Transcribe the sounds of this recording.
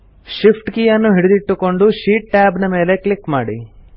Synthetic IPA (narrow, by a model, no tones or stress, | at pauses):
ʃipʰʈkijɐnːuɦiɽud̪iʈːuko̞ɳɖuʃiːʈ̚ːaːbnɐme̞ːle̞klikmaːɽḭ